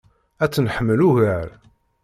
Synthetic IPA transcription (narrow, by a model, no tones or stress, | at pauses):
æt͡sːnħəmːəluɣæɾ